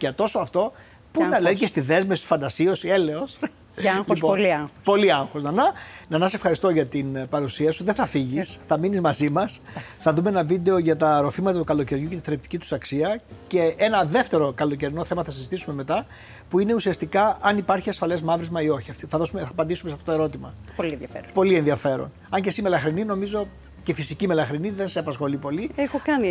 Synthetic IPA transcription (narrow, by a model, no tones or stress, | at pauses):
ʝɐt̪o̞soɐft̪o̞ | punɐilɐðicest̪iðe̞zmefsi̥fɐnd̪ɐsio̞siele̞os | lipopo̞liɐŋxoznɐnɐnɐnɐs̬efxɐɾist̪o̞ʝɐt̪inpɐɾusiɐsuoðeθɐfiʝisθɐminizmɐzimɐs | θɐðumeenɐvid̪e̞oʝɐt̪ɐɾo̞fimɐt̪ɐt̪ukɐlo̞ce̞ɾʝuce̞t̪iθɾep̚t̪i̥cit̪u̥sɐksiɐce̞e̞nɐðe̞ft̪e̞ɾo̞kɐlo̞c̬e̞ɾino̞θe̞mɐθɐsizit̪isume̞me̞t̪ɐ | puine̞usiɐst̪ikɐɐnipɐɾçiɐsfɐle̞zmɐvɾizmɐio̞çiɐft̪θɐðo̞sumeɐpɐnd̪isumesɐft̪ot̪oe̞ɾo̞t̪imɐplɐfeɾpo̞lienðiɐfe̞ɾo̰n | ɐɲce̞sime̞lɐxɾinino̞mizo̞ | ce̞fisicime̞lɐxɾiniðe̞nseɐpɐsxo̞lipo̞liexokɐni